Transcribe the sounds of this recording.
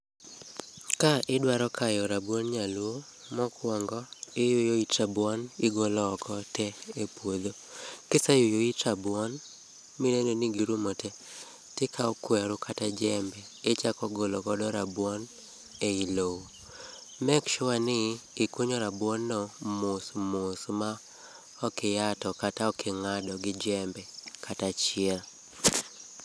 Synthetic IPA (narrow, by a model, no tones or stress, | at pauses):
kaʔɪdwaɾɔkʰajɔɾabwonɲalwo | mɔkwɔŋɡɔɪjojoitabwɔnɪɡolɔːkʰɔtɛepwod̪okɪsajojoitabwɔn | minenoniɡiɾumɔtɛ | tɪkʰaɔkwɛɾʊkʰatad͡ʒɛmbɛːt͡ʃakɔɡolɔɡɔdɔɾabwɔn | eilowo | mɛkʃʊwanɪːkwoɲɔɾabwɔnːɔmosmosma | ɔkɪjatɔkataɔkʰɪŋadɔɡɪd͡ʒɛmbɛkʰatat͡ʃɪɛl